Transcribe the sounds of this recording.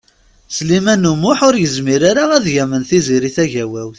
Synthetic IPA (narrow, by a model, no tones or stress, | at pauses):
slimænːumʊħʊɾjəzmiɾaɾaæðʝæmənθiziɾiθæʝæwæwθ